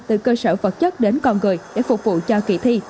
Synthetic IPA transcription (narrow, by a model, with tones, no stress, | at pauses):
t̪ɨ˨˩kəː˧səː˧˩və˨˩t̚t͡ɕə˦˥t̚ɗe˨˦nkɔ˧nŋɨ˨˩əjɗḛ˧˥fʊ˨˩k͡p̚vṵ˧˨t͡ɕɔ˧kḭ˧˩t̪ʰi˧